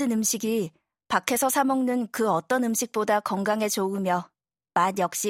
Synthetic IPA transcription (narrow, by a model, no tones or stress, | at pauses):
ɯnɯmɕʰiɡi | pakʰe̞sʰʌsʰamʌŋnɯnkɯʌt͈ʌnɯmɕʰik̚p͈odakʌŋɡaŋe̞t͡ɕoɯmjʌ | manjʌk̚ɕ͈i